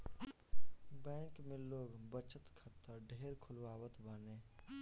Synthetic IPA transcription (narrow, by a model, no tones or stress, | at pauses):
bɛ̃ːŋkmẽloːɡbət͡ʃət̪kʰət̪ːəɾɖʱeːɾkʰʊlʋaːwət̪baːnẽː